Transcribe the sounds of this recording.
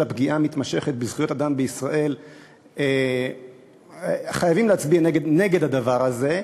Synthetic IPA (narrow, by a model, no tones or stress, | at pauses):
apɡiʔamit̪maʃe̞χet̪̚bizχujo̞tadambeisʁaʔe̞l | e | χajavimleat͡sbianeɡedne̞ɡe̞d̪had̪avaʁaze̞